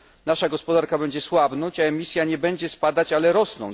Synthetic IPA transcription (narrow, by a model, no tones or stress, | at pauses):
naʂaɡɔspɔd̪aɾkabɛɲd͡ʑɛswabnɔɲt͡ɕaɛmʲisʲjaɲɛbɛɲd͡ʑɛspad̪at͡ɕalɛɾɔsnɔ̰̃